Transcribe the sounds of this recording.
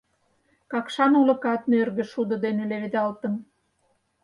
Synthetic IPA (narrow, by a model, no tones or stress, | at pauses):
kɑkʃɑnulɤ̆kɑt̪̚nørɣə̆ʃud̪ə̆d̪eneleβed̪ɑlt̪ə̆m